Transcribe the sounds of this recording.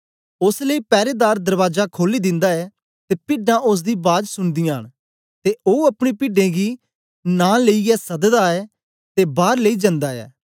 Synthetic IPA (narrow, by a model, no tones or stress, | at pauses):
ʊsləiːpɛːɾeːd̪aːɾd̪əɾʋaːzakʰoːliːd̪ɪ̃nd̪aːɛː | t̪eːpɪɖãːʔʊs̬d̪iːbaːd̪sʊnd̪ijãːɦəɳ̃ | t̪eʔoːəpɽ̃iːpɪɖẽːɡiː | nãːleiɛːsɐd̪d̪aːɛː | t̪eːbaːɾləiːd͡ʒə̃nd̪aːɛ̰ː